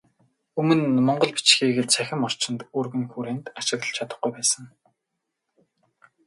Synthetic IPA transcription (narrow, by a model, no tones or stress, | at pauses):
ɵmɵ̆nmɔɴɢɞ̆ɮpi̥t͡ɕxiːɣĕɮt͡sʰæxʲɪ̆mɔr̥t͡ɕɪ̆nt̪urɣɘ̆ŋxuːɾeːnt̪aʃɪ̆ɣt̪ə̆ɮt͡ɕʰat̪ə̆χɡujpæːsə̆ŋ